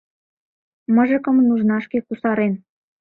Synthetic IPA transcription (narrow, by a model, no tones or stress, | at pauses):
mə̆ʒə̆kɤ̆mnuʒnɑʃkekusɑɾen